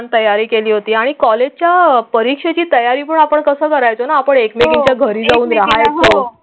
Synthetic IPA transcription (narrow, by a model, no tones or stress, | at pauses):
ant̪əjaɾiːkeliːɦot̪iːaɽ̃ikɔled͡ʑt͡ɕjapəɾikʂet͡ɕiːt̪əjaɾiːp̬əɳapəɳkəsəːkəɾajt͡sonaːpəɳekmeɡit͡ɕjaɡʱəɾiːd͡zauːnɾaɦajt͡sə